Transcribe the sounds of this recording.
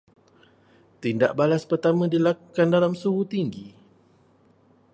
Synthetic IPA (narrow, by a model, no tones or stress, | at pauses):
t̪inda̰ʔbalaspərt̪amãdilakukandalamsuɦut̪iŋɡi